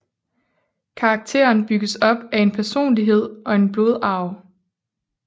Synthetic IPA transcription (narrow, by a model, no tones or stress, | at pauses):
kʰɑ̈ːɡ̥̚t͡sʰe̝̰ːɐnb̥yɡ̥əsɒ̽b̥æe̝npʰæɐso̝̰ːnliɦe̝ð̰ˠʔɒ̽e̝nb̥lo̝ð̞ˠɑ̈ʊ